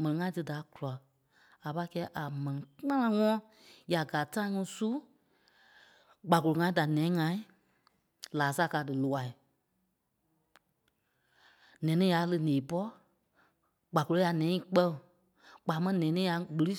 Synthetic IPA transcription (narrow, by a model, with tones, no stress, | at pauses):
mɛ̃˨nĩ˨ŋã˧ĩ˦tɨ˧da˨˦ku˨la˨ | a˨pa˧˦˧kɛː˧˦ʔa˨mɛ̃˨nĩ˨˦ã˦ã˧˦ŋɔ̃ː˦ | ja˨ɡaː˨tã˦ŋũ˧˦su˦ | ɡ͡ba˨ko˨lo˨ŋã˧ĩ˦da˨nɛ̃ː˨˦ŋã˧ĩ˦ | laː˨˦sa˧˦˨kaː˧˦dɨ˨lu˨a˨i˨ | nɛ̃ː˨˦nĩ˦ja˨˧˦lɨ˧nẽː˨pɔ˦ | ɡ͡ba˨ko˨o˦a˨nɛ̃ː˨˦ĩ˦˨k͡pɜ˦˨ | k͡paː˨˦mɛ̃˦˧nɛ̃ː˨nĩː˦ja˧˦ɡ͡bɨ˧ɾi˦